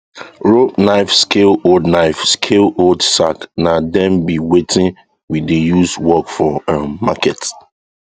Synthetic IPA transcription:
ɹobnaɪfskelodnaɪfskʰelodsaknadɛ̃mbiwetʰɪ̃n | widejuswɔkfɔ̃makɛt

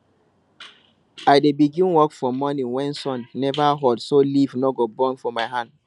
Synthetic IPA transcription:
aɪdebiɡĩnwɔkfɔmɔnĩŋwɛ̃nsɔ̃nːɛvaɦodsolivnɔɡobɔnfɔmaɪɦãnd

